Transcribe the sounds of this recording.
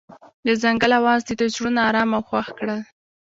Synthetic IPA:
d̪əzaŋɡəlawɑzd̪ət̪azɽunɑɾɑmawxwaxkɽəl

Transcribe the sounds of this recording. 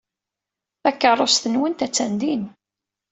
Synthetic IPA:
ækːərˤːosθənwənt̪æt͡sːænd̪in

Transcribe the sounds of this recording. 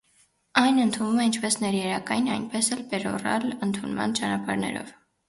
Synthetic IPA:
ɑjnənt̪ʰunvumɛint͡ʃʰpɛsnɛɾjɛɾɑkɑjinɑjnpɛsɛlpɛɾɔ̰rɑ̰lənt̪ʰunmɑ̰nt͡ʃɑnɑpɑɾnɛ̰ɾɔ̰v

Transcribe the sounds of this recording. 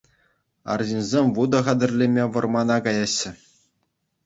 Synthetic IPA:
ɑ̰rʑinʲzʲemʲʋud̪ɤ̆χɑd̪ʲɘ̆rʲlʲemʲeʋɤ̆rmɑnɑkɑjɑɕːɘ̆

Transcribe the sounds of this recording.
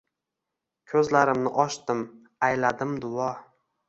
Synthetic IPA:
kʲʰɵzlaɾɪmnɪʔɒʃt̪ɪm | ajlad̪ɪmd̪ʊɒ

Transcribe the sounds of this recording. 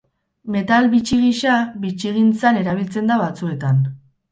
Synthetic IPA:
me̞t̪alβit͡ʃiɣiʃaβit͡ʃiɣint͡sane̞ɾaβ̞ilt͡se̞nd̪aβat͡sue̞t̪an

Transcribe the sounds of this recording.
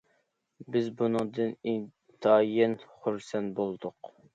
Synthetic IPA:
bɪzbunɨŋd̪ɨnin | t̪ʰɑjɛnχuɾsɛnt̪̚bolˠd̪ʊq

